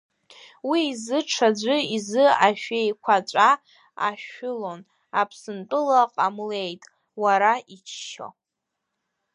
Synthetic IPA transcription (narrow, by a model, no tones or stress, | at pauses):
wiːzɨʈ͡ʂʰad͡ʒʷɨizɨaʃᶣejkʷʰat͡ʃʷʼa | a̰ʃʊlo̞n | a̰pʰsɨnt͡pʼɨlaqʼamle̞jtʼ | waɾait͡ʃʰʃo̰